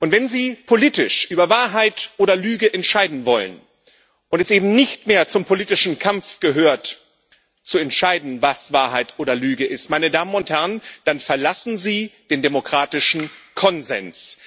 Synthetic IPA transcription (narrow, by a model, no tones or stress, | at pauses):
ʔʊntv̥ɛnziːpʰoliːtɪʃʔyːbɐvaːɐɦaɪtʔoːɾɐlyːɡəʔɛntʃaɪdn̩vɔlə̰n | ʔʊntɛsʔeːbm̩nɪçtmeːɐt͡sʊmpʰoliːtɪʃn̩kʰamfɡ̥əɦøːɐt | t͡suɛntʃaɪdn̩vasv̥aːɐɦaɪtʰʔoːɾɐlyːɡəʔɪstmaɪnədaːmənʊnthɛɐənd̥anfɛɐlasn̩ziːd̥eːndemokʁ̥aːtɪʃn̩kʰɔnzɛ̰ns